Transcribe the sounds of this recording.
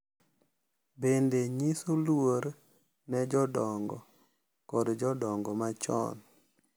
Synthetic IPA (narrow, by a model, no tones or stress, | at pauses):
bendeɲisolwoɾ | nɛd͡ʒɔdɔŋɡɔ̰ | kɔdd͡ʒɔdɔŋɡɔmat͡ʃɔ̰n